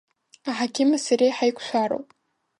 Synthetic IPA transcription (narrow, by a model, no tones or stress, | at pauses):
aħakʲʰɪmasaɾejħajkʷʰʃʷaɾo̰wpʼ